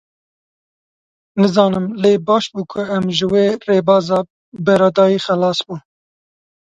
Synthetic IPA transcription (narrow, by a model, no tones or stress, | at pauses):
nɨzɑːnɨmleːbɑːʃbuːkʰʊɛmʒɨweːreːbɑːzɑː | bɛɾɑːd̪ɑːjiːxɛlɑːsbuː